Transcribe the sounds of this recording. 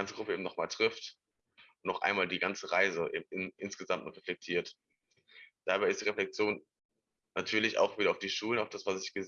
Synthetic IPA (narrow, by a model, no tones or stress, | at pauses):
ant͡səɡʁʊpəeːmnɔχmaːltʁ̥ɪft | ʊntnɔʊxʔa̰ɪnmaːldiːɡant͡səʁaɪzəʔḛːbm̩ʔɪʔɪnsɡ̥əzamtnɔχʁeflɛk̚tʰiːɐt | d̥aːbaɪɪstd̥iːʁeflɛk̚t͡sjoːnː | atʰyːɐlɪça̰ʊxviːɾɐaʊfd̥iːʃuːlənaʊfd̥asv̥asɪçɡ̥ə